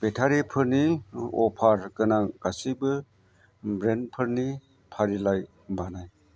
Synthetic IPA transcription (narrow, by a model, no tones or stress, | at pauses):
betʰaɾipʰɯɾniɔ̰pʰaɾkɯnaɡasibɯ | bɾenpʰɯɾni | pʰaɾilaj | banaj